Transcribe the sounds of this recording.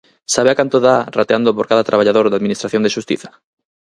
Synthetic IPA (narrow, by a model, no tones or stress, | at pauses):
saβeakant̪oðarat̪eand̪opoɾkaðat̪ɾaβ̞aʎaðoɾðaðminist̪ɾaθjond̪eʃust̪ḭθḁ